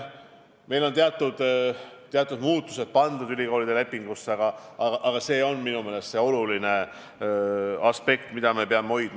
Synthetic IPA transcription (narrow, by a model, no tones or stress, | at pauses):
me̞jlo̞nt̪eɑt̪ˑːud̪̥t̪ːeɑt̪ːˑud̪muːt̪ːu̥se̞d̪̥̚pɑnd̪ud̪ylʲiko̞ːlid̪ele̞pːˑiŋɡ̥usːɑɡ̥ɑɑɡɑʔɑɡ̥ɑse̞ːo̞nminume̞ːle̞st̪se̞o̞luline̞ | ɑspe̞kt̪mid̪ɑme̞peɑme̞o̞jd̪̥m